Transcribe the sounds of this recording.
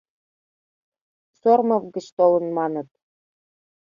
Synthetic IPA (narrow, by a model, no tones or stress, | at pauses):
sormɤ̆vɡɘ̆ɕt̪olɤ̆nmɑnɤ̆t̪̚